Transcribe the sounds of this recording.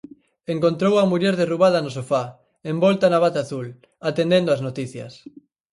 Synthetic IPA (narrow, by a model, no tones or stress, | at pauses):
eŋkont̪ɾowɐmuʎɛɾðeruβ̞að̞ɐnosofa | ẽmbɔlt̪anaβat̪aːθul | at̪end̪end̪oaznot̪iθjɐ̰s